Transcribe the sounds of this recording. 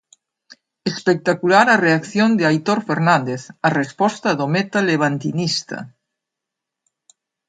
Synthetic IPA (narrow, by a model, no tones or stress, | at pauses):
espek̚t̪akulaɾareakθjond̪eajt̪oɾfeɾnand̪eθarespɔst̪aðomet̪aleβ̞ant̪inist̪ɐ̰